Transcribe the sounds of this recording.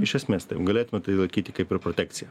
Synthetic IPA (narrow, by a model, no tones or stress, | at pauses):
ɪʃʲɛsʲmʲest̪ɐɪpɡɐlʲeːt̪ʊmʲɛt̪ɐɪlˠɐɪkʲiːt̪ʲɪkɐɪpɪɾpɾot̪ʲæːk̚t̪sʲɪjɛ